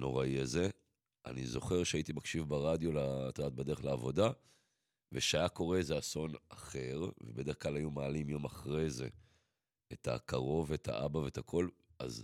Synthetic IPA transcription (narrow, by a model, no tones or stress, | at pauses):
no̞ʁaiaze̞ | a̰nizo̞χe̞ʁʃeait̪imakʃivbaʁad̪jo̞lat̪od̪aːt̪̚bedeχlaːvo̞da | veʃeajako̞ʁe̞zeaso̞naχe̞ʁvebede̞χklalajumaːlimjo̞maχʁeze̞ | et̪ʰa̰kaʁo̞veetʰa̰ʔabave̞et̪akʰo̞la̰z